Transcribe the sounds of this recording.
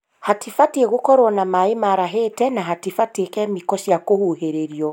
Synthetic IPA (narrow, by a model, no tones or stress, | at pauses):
hatifatieɣokɔɾwɔnamaemaɾaɦetɛnaɦatifatekɛmikɔʃjakohuɦeɾeɾiɔ